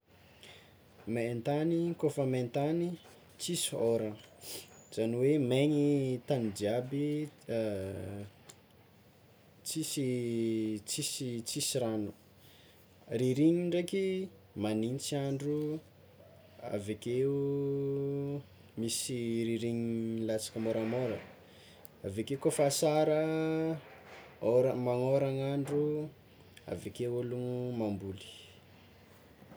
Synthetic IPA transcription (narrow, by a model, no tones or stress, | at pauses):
maent̪anikofəment̪ani | t͡sisoɾə | z̥aniwemeɲit̪anid͡ʒiabi | t͡sisi | t͡sisit͡sisiɾanu̥ | riɾiɲiɳɖ͡ʐeki | manint͡siaɳɖ͡ʐu | a̰vekeu | misiɾiɾiɲlat͡sḁkəmoɾamoɾə̰ | aveakekofasaɾə | oɾamaŋoɾaŋaɳɖ͡ʐu | a̰vekewolumambuli̥